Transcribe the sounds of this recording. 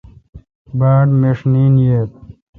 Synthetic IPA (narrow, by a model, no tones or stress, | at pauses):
baːɖmeʂniːnjeːt̪̚